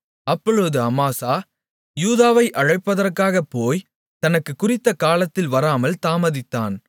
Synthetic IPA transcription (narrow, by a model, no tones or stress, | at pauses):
ɐpːɔɻɯðɯɐmaːsaː | juːðaːʋɐɪʔɐɻɐɪpːɐðɐrkaːɣɐpːoːj | t̪ɐnɐkːɯkːʊrɪt̪ːɐkaːlɐt̪ːɪlʋɐɾaːmɐlt̪aːmɐðɪt̪ːaːn